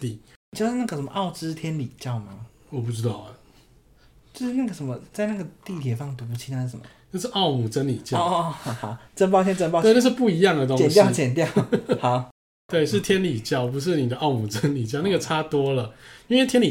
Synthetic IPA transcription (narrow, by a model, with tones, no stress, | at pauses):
t̪i˥˩˨t͡ɕjʊʂɻ̩˥˧na˥˩ɡə˩ə˧˦nmə̰˦ʔɑ˥˩ʊʈ͡ʂɻ̩˥t̪ʰjɛ˥nli˨˩t͡ɕjɑ˥˩ʊma˧ | wɔ˨˩pu˥˩ʈ͡ʂɻ̩˥t̪ɑ˥˩ʊ˨ | t͡ɕo˥˧ʊʂɻ̩˥˩na˥˩ɡə˩ʂə˧˦mə˧t͡sa˥˧ɪna˥˩ɡə˩t̪i˥˩t̪ʰjɛ˨˩fɑ˥˩ŋt̪u˧˥pu˧t͡ɕʰi˥na˧˥˩ʂə˨˩mə̰˦˩na˥˧ʂ̬ɻ̩˥˧ʔɑ˥˧ʊmu˨˩ʈ͡ʂə˦nli˨˩t͡ɕjɑ˥˧˨ha˧˩ʈ͡ʂə˥np̬ɑ˥˧t̪ʰjɛ˥nʈ͡ʂə˥npɑ˥˧˥na˥˧ʂ̩˥˧pu˥˩i˧˥jɑ˥˨ŋd̪ə˩t̪̬o˦˥t͡ɕɛ˨nt̪jʊt͡ɕjɛ˨˩nt̪jɑ˥˨ha˨˧˦ | t̪we˥˩ɪʂɻ̩˥˩t̪ʰjɛ˦nli˨˩t͡ɕjɑ˥˩ʊpu˧ʂ̬ɻ̩˥˩ni˨˩d̪ə˦ʔɑ˥˩ʊmu˨˩ʈ͡ʂə˦nli˨˩t͡ɕjɑ˥˨ʊna˥˩ɡə˩ʈ͡ʂʰa˦t̪wɔ˥lə˨i˥nwe˥˩t̪ʰjɛ˥nli˨˩